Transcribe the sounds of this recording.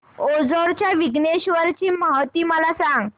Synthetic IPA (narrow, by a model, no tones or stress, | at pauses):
od͡zoɾt͡ɕjaʋiɡneɕʋəɾt͡ɕiːməɦt̪iːməlasãŋɡ